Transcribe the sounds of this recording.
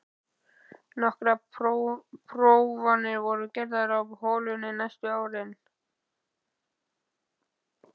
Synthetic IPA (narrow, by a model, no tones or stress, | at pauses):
nɔhkɾa | pʰɾowvanɪɾvɔɾʏcɛɾðaɾawhoːlʏnɪnajst̪ʏaːwɾɪn